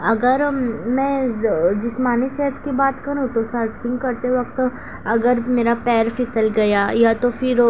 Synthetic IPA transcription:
ɐɡəɾmɛ̃d͡ʒɪsmaːnisɛʈskibaːt̪kɐɾũt̪osɐɾʈfɪ̃ŋɡkɐɾt̪eʋɐk̚t̪ | ɐɡəɾmeːɾapɛːɾfʰɪsəlɡɐjaːjat̪ofɪɾ

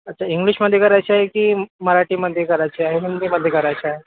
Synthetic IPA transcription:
ət̪ːt͡ɕʰaiŋɡɭiɕməd̪ʱjekəɾajt͡ɕiaɦekiːməɾaʈiːməd̪ʱjekəɾajt͡ɕiaɦeɦind̪iməd̪ʱjekəɾajt͡ɕiaɦe

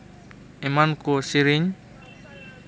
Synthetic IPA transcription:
imankusiɾiɲ

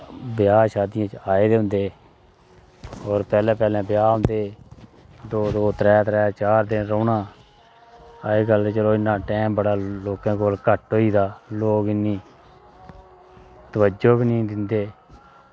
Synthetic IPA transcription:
bɪjaːʃaːd̪ijãːt͡ʃaːeːd̪eːɦʊ̃nd̪eː | ɔːɾpɛːlɛ̃ːpɛːlɛ̃ːbɪjaːɦʊ̃nd̪eː | d̪oːd̪oːt̪ɾɛːt̪ɾɛːt͡ʃaːɾd̪enɾoːnãː | aːeːɡəlt͡ʃəloːɪnːãːʈɛːmbəɽaːloːkãːkoːlkəʈɦoːiːd̪aːloːkɪnːiː | t̪əʋəd͡ʒoːbinĩːd̪ɪnd̪eː

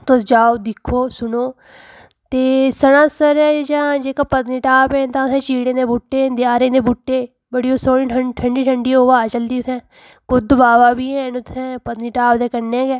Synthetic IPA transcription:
t̪od͡ʒaːoːd̪ɪkʰːoːsʊnoː | t̪eːsəɽãːsəɾɛːd͡ʒãːd͡ʒeːkaːpət̪niːʈaːpɛ̃ːt̪ãːʊsɛ̃ːt͡ʃiːɽẽːd̪eːbʊʈːeːd̪ɪjaːɾẽːd̪eːbʊʈːeː | bəɽiːoːsoːɽĩːʈʰəʈʰəɳɖiːʈʰəɳɖiːɦoːbaːt͡ʃəld̪iːʊt̪ʰɛ̃ː | kʊd̪ʊbaːʋaːbiːɛ̃ːnʊt̪ʰɛ̃ːpət̪niːʈaːbd̪eːkəɾnẽːɡɛː

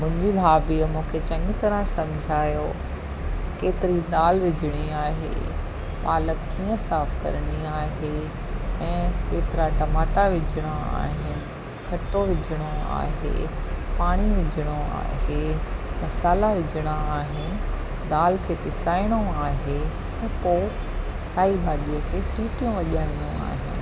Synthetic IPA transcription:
mʊ̃ɦɪ̃ɲd͡ʑibʱaːbiəmũːkʰet͡ɕɐ̃ŋɡt̪ɐɾə̃sɐ̃md͡ʑʱaːjo | keːt̪ɪɾid̪aːlʋɪd͡ʑʱəɽ̃iaːɦḛ | ɓaːləkːiːə̃saːfkɐ̰ɾɽ̃iaːɦe | ɛ̃ːkeːt̪ɪɾaʈɐmaːʈaʋɪd͡ʑʱəɽ̃aa̰ːɦɪnɪ̆ | kʰɐʈːoʋɪd͡ʑʱəɽ̃oa̰ːɦḛpaːɽ̃iʋɪd͡ʑʱəɽ̃oa̰ːɦemɐsaːlaʋɪd͡ʑʱəɽ̃aaːɦɪnɪ̆ | d̪aːlkʰeːpɪsaːiɽ̃oaːɦe | ɛ̃ːpo | st̪ʰaːibʱaːɗiəkʰeːsiːʈijũʋɐʄaːɽ̃ijũa̰ːɦɪ̰nɪ̆

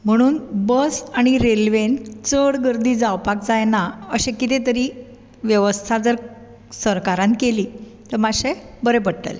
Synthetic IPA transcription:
m̤əɽ̃uːnbəsaɽ̃iɾelʋent͡səɽɡəɾd̪iːd͡zawpak̚d͡zajnaəɕẽkit̪et̪əɾiː | ʋjəʋəst̪ʰad͡zəɾ | səɾkaɾãn̚keliːt̪əɾmaɕebəɾepəɽʈ̪ə̰l

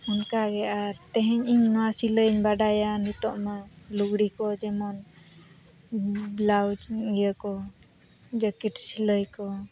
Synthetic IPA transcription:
unkaɡɛaɾt̪ɛɦɛɲiɲnɔwasiləɲbaɖajanit̪ɔʔmaluɡɽikɔd͡ʒɛmɔn | blawd͡ʒɡjəkɔ | d͡ʒəkiʈsiləjkɔ

